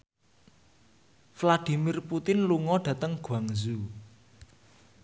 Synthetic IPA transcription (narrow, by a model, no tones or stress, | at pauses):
flad̪̥i̤mɪrput̪ɪnluŋɔɖ̥ä̤t̪əŋɡ̥waŋzu